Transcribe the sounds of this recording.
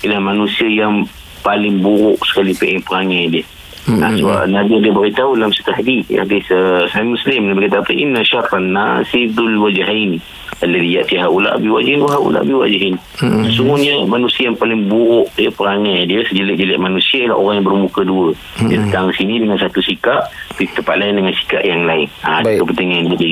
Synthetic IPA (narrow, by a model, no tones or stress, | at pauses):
ilahmanusiəjaŋ | palɪŋbuɾʊʔsə̥kalipeʔpəɾaŋajdiə | a̰səba̰ʔnabiadiəbaɾit̪aulamsə̥t̪aɦadija̰hadisəsaimuslɪmnabikat̪̬apəʔinaʃat̪anːasifd̪ʊlwad͡ʒaɦani | aləlijaʔt̪iɦaʔula̰ʔabiwad͡ʒhinwaɦaʔṵla̰ʔa̰biwa̰d͡ʒɦɪn | səsuŋʊhɲəmanusiəjaŋpalɪŋbuɾʊʔiəpəɾaŋadiəsəd͡ʒəlɪʔ̚d͡ʒəlɪʔmanusiala̰ʔo̰ɾaŋjãŋbərmukəduə | diat̪ət̪aŋisinidəŋansat̪usikaʔpit̪əmpaʔ̪laɪndəŋansi̥ka̰ʔjaŋlaɪnadəkəpət̪əŋanbudə